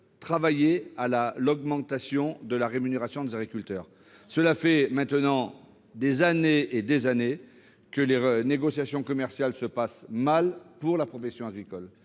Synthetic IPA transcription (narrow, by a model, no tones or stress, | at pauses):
t̪χavajealalɔɡmɑ̃t̪asjɔ̃d̪əlaʁemyneʁasjɔ̃d̪ezaɡʁikʲylt̪œːʁ | səlafɛmɛ̃t̪nɑ̃ | d̪ezaneːd̪ezane | kəleneɡɔsjasjɔ̃kɔmɛʁsjalsəpasmalpuʁlapχɔfɛsjɔ̃aɡʁikɔl